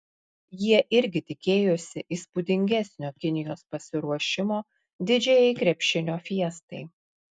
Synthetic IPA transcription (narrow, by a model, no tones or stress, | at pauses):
jiɛʔɪɾʲɡʲɪt̪ʲɪkʲeːjosʲɪʔiːspʊd̪ʲɪŋʲɡʲɛsʲnʲoːkʲɪnʲɪjoːspɐsʲɪɾuɔʃʲɪmoː | d̪ʲɪd͡ʒʲɛjɛɪkɾʲɛpʲʃʲɪnʲoːfʲiɛst̪ɐɪ